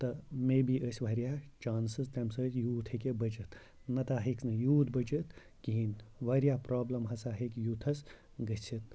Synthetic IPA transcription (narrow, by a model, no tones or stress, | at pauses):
t̪ɐmeːbiʔəsʲʋɐɾjaːt͡ʃaːnsɨst̪ʲɐmsəːsjuːt̪ʰhekʲebɐt͡ʃɨt̪ | nɐt̪aːɦeknɨjuːt̪bɐt͡ʃɨt̪ | kiɦinʋaɾijaːpɾaːblɐmɦɐsaːɦekʲjuːt̪ʰɐs | ɡɐt͡sʰit̪̚